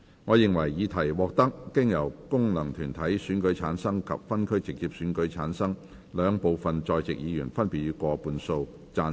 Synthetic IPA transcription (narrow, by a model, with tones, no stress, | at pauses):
ŋɔː˨˧jɪ˨ŋwɐ˨˩jːiː˨˧t̪ʰɐ˨˩jwɔː˨k̚t̪ɐ˥k̚ːɪ˥ŋjɐ˨˩wkʊ˥ŋnɐ˨˩ŋt̪ʰyː˨˩nt̪ʰɐ˨˥jsyː˨˥nkɵ˨˥ɥt͡sʰaː˨˥nsɐ˥ŋkʰɐ̰˨p̚fɐ˥nkʰɵ˥ɥt͡sɪ˨k̚t͡siː˧p̚syː˨˥nkɵ˨˥ɥt͡sʰaː˨˥nsɐ˥ŋ | lœː˨˧ŋpo˨˧wfɐ˨nt͡sɔː˨jt͡sɪ˨k̚jiː˨˧jy̰ː˨˩nfɐ˥npi˨t̚ɥyː˨˧˥kʷɔː˧puː˨˧nso˧w | t͡saː˧n